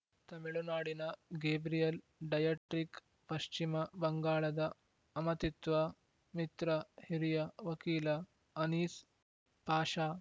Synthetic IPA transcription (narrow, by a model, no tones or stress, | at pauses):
t̪ɐmiɭunaːɽinɐɡeːbɾijɐl | ɖɐjɐːʈɾik | pɐʃt͡ʃimɐbɐŋɡaːɭɐd̪ɐ | ɐmɐt̪it̪ʋɐ | mit̪ɾɐhiɾijɐʋɐkiːlɐ | ɐniːs | b̥ʱaːʃaː